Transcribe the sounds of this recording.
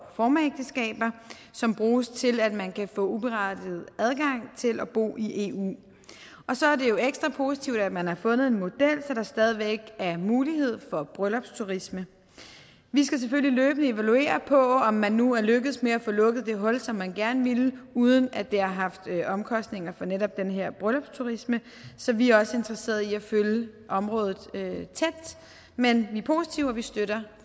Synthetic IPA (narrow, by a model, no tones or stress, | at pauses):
fɒːmæeɡ̥̚d̥əsɡ̥ɛ̰ːb̥ɐ | sɒ̽mb̥ʁuːst͡sʰe̝læd̥mænkʰæfɔ̰̽ːub̥e̝ʁɑ̈d̥ið̩ˠæð̞ˠɡ̥ɑ̈ŋ̰t͡sʰe̝lʔæb̥o̝̰ːʔiʔe̝ːṵː | ʔɒ̽sɒ̽æɐde̝jo̝eɡ̥sd̥ʁɑ̈pʰo̝si̥t͡sʰiʊd̥æd̥mænhɑ̈fɔ̽nð̞̩ˠe̝nmo̝d̥el̰sɒd̥ɑ̈sd̥ɛːð̞ˠiʋeɡ̥æɐmuːlihe̝ð̞̰ˠfɒ̽b̥ʁœlɒ̽b̥st͡sʰuʁismə | ʋisɡ̥æs̬eføl̰iløːb̥ənəe̝ʋælue̝̰ːɐpʰɒ̽ɒ̽mːænːuæɐløɡ̥əð̞̩ˠsmeæfɔ̽lɔ̽ɡ̥ð̞̩ˠd̥e̝ɦɒ̽lsɒ̽mːænɡ̥æɐnəʋiluːð̞ˠən̩æd̥e̝ɑ̈ɦɑ̈fd̥øʔɒ̽mkʰɒ̽sd̥ne̝ŋɐfɒ̽neɾɒ̽b̥̚d̥enəɦeɐ̰b̥ʁœlɒ̽b̥st͡sʰuʁismə | sɒ̽ʋiæɐɒ̽səe̝nd̥ʁɐse̝̰ːɐð̩ˠiæføljəʔɒ̽mʁɔ̽ːðˠð̩ˠøt͡sʰed̥ | menʋipʰo̝si̥t͡sʰiʊæʋisd̥øɾ̥ɐ